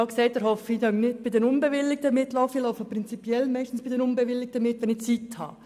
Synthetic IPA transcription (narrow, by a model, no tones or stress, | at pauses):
aʊksɛɪt̚dəɾɦɔfidɑnɪt̚b̥ɪdɛɾʊnbeʋɪlːɪk̚təmɪtlɔʊfilɔʊfəpɾɪnt͡sipjɛlmɛɪʃtn̩sb̥idɛɾʊnbeʋɪlːɪk̚t̪əmɪtʋɛnit͡sithɑ̰ː